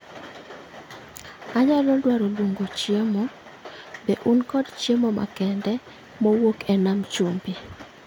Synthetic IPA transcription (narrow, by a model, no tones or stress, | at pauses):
aɲalɔdwaɾolwoŋɡot͡ʃjemɔ | beʔunkɔdt͡ʃjemɔma̰kɛndɛ | mɔwokɛnamt͡ʃumbi